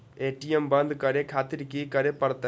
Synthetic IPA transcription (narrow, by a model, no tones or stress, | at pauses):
eːʈːijembaːnd̪ɨkɐɾekʰaːt̪ːiɾikʲːikɐɾepɐrɐt̪ːɐ